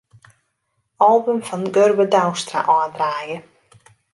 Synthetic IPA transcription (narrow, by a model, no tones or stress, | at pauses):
ɔlˠbəmfɔnɡørbədawstra̰ʔɔəndraːjə